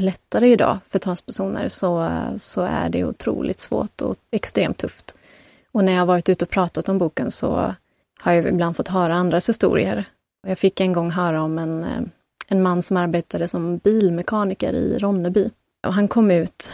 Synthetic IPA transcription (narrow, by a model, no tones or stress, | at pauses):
lɛt̪ʰːaɾəɪd̪ɑ̰ːfœʈʰɾanspɛʂuːnə̰ɾsɔsɔæ̰ɖɛ̰ʊ̰t̪ʰɾṵːlʔɪ̰t̪svo̰ːʈɔ̰ɛkst̪ɾeːmt̪ʰːɵft̪ | ɔnæɾjahavɑːɾɪt̪ʉːt̪əɔpʰɾɑːt̪at̪ɔmbuːkənsɔ̰ | haɾjaɪbland̪fɔt̪ːɦœːɾaand̪ɾashɪst̪ṵːɾɪə̰ɾ | jɑːɡfɪkːɛnɡɔŋːɦœːɾaɔmɛn | ɛnmanːsɔmaɾbeːt̪ʰad̪əsɔmbiːlmɛkʰɑːnɪkə̰ɾɪ̰ɾɔnːəbyː | ɔɦankʰɔmːʉ̟ːt̪